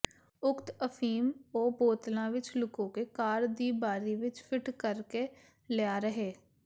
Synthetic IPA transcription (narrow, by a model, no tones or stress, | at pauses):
ʊkt̪əfʰiːmɔːboːt̪lãʋɪt͡ʃlʊkõkekaːɾd̪iːbaːɾiʋɪt͡ʃpʰɪʈkəɾke | leaːɾəɦeː